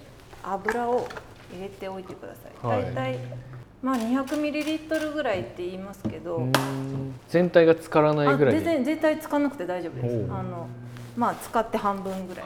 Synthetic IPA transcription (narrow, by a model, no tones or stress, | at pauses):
abɯ̟ɾao̞ | iɡe̞t̪e̞o̞it̪e̞kɯ̟d̪a̰sa̰ḭd̪ait̪ai | maːɲ̟içakɯ̟mʲiɾʲiɾʲit̪ːo̞ɾɯ̟ɡɯ̟ɾait̪ːe̞iːmasɨ̥ke̞d̪o̞ | z̥ẽ̞nt̪aiɡat͡sɨ̥kaɾanaiɡɯ̟ɾaẽzẽ̞nt̪ait͡sɨ̥kanakɯ̟̥t̪e̞d̪aiʑo̞ːbɯ̟d̪esano̞ | maːt͡sɨ̥kat̪ːe̞ɦãmbɯ̟̃ŋɡɯ̟ɾa̰i